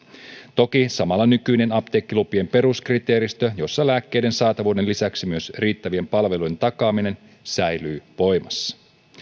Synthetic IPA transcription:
t̪o̞kisɑmɑlːɑnykyjne̞nɑpt̪ekːilupiempe̞ɾuskrit̪e̞ːɾist̪øjo̞sːɑlæːkːe̞jde̞nsɑːt̪ɑʋuːde̞nlisæksimyø̞sriːt̪ːæʋie̞mpɑlʋe̞lujdent̪ɑkɑːmine̞n | sæjlyːʋo̞jmɑsːɑ̥

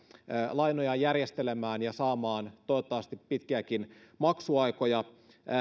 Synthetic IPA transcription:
lɑinojɑjærjest̪elemæːnjɑsɑːmɑːnt̪oot̪ːɑʋɑst̪ipːit̪kiækinmɑksuɑikojɑ

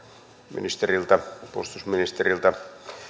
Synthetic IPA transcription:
mḭnist̪erilt̪ɑpo̰st̪usminist̪erilt̪ɑ

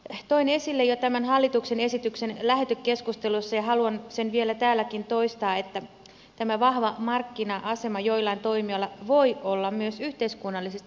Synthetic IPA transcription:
t̪oinesilːejot̪æmænhɑlːit̪uksene̞sit̪yksenlæɦet̪økːeskust̪elusːɑjɑɦɑluɑnsenʋielæt̪æːlːækint̪o̞ist̪ɑːet̪ːæ | t̪æmæʋɑhʋɑmɑrkːinɑʔɑse̞mɑjoilːˑɑint̪oimiolːɑʋoiolːɑmyøsyht̪eiskunːɑlːisest̪

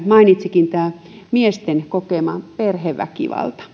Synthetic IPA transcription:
mɑinit̪sikint̪æː | miest̪enkokeˑmɑperheʋʋːæ̰kḭʋɑ̰lt̪ɑ̥

